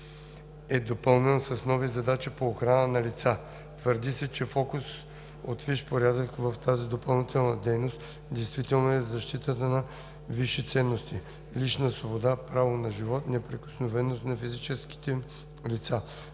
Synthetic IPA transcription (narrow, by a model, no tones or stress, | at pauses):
ɛd̪opəlˠnɛnsɐsnɔvizɐd̪at͡ʃipoːxɾanənɐlit̪sa | t̪vəɾd̪isɛt͡ʃɛfɔkus | ot̪viʃpoɾʲjad̪əkvɐft̪azid̪opɐlˠnit̪ɛlˠnɐd̪ɛjnost̪ | d̪ɛjst̪vit̪ɛlˠnoɛzɐʃt̪it̪ət̪ənɐ | viʃit̪sɛnːost̪i | lit͡ʃnəsvobod̪apɾavonɐʒivɔt̪nɛpɾɛko̥snovɛnost̪nɐfizit͡ʃɛski̥t̪ɛ | lit̪sa